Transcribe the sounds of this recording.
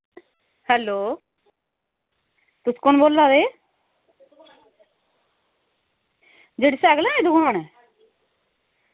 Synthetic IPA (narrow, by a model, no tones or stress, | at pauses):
hɛːloː | t̪ʊskʊnboːlːaːd̪eː | d͡ʒeːɽisɛːɡlɛːeːd̪ʊɡaːnɛ